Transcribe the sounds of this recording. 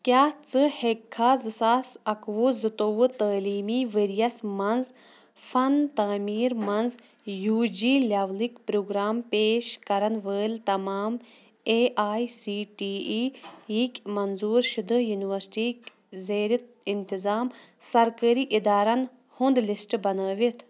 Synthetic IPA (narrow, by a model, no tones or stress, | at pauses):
kʲjaːt͡sɨhekʰːaːzɨsaːsɐkʋuzɨt̪oʋɨt̪əːliːmiːʋəɾijɐsmɐnz | fʰɐnt̪aːmiːɾmɐnz | juːd͡ʒiːlʲɐʋlikpɾuːɡɾaːmpeːʃkɐɾɐnʋəːlt̪ɐmaːm | eːʔaːisiːʈiːiːikʲmɐnzuːɾʃud̪ɨjuniʋɐɾsʈiːk | zeːɾʲit̪̚ | int̪izaːm | sɐɾkəːɾiːʔid̪aːɾɐn | hund̪lisʈbɐnəːʋit̪ʰ